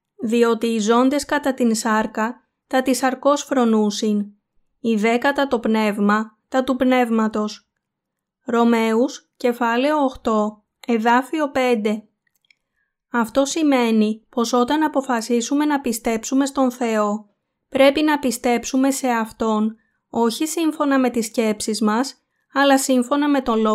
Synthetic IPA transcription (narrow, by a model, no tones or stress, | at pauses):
ðio̞t̪iːzo̞nd̪e̞skɐt̪ɐt̪insɐɾkɐ | t̪ɐt̪isɐɾko̞sfɾo̞nusin | iðe̞kɐt̪ɐt̪o̞pne̞vmɐt̪ɐt̪upne̞vmɐt̪o̞s | ɾo̞me̞us | ce̞fɐle̞oːxt̪o̞ | e̞ðɐfio̞pe̞nd̪e̞ | ɐft̪o̞sime̞nipo̞so̞t̪ɐnɐpo̞fɐsisume̞nɐpist̪e̞psume̞st̪o̞nθe̞o̞ | pɾe̞pinɐpist̪e̞psume̞se̞ɐft̪o̞n | o̞çisiɱfo̞nɐme̞t̪isce̞psizmɐs | ɐlɐsiɱfo̞nɐme̞t̪o̞lo